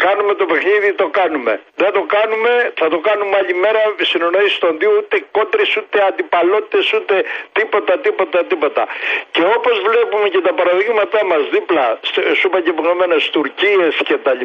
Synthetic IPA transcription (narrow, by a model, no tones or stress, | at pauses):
kɐnume̞t̪o̞pe̞xniðit̪o̞kɐnume̞̰ðe̞nd̪o̞kɐnume̞θɐt̪o̞kɐnumeɐʎime̞ɾɐsinonoist̪onðiout̪e̞ko̞t̪ɾesut̪e̞ɐnd̪ipɐlo̞t̪i̥t̪e̞sut̪e̞t̪ipo̞t̪ɐt̪ipo̞t̪ɐt̪ipo̞t̪ɐce̞o̞po̞zvle̞pume̞ce̞t̪ɐpɐɾɐðiɣmɐt̪ɐmɐzðiplɐssupɐɟeponome̞nest̪uɾcie̞sce̞t̪ɐi